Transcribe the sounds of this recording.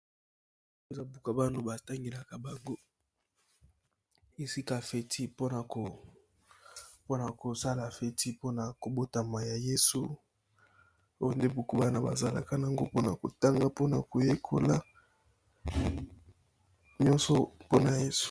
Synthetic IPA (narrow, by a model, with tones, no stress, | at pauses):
e˦za˦bu˨ka˨ba˦no˨ba˨ta˦ŋɡe˨la˨ka˨ba˨ŋɡo˦ | e˨si˦ka˨fe˨ti˦po˦na˨ko˨ | po˦na˨ko˨sa˦la˨fe˦ti˦po˦na˨ko˨bo˦ta˨ma˨ja˨je˦su˦ | o˦jo˦nde˦bu˨ku˦ba˦na˨ba̰˨za˨la̰˨ka˦na˨ŋɡo˦po˦na˨ko˨ta˦ŋɡa˦po˦na˨ko˨je˦kʰo̰˦la˦ | ɲɔ̃˦nso˦po˦na˨je˦su̥˦˨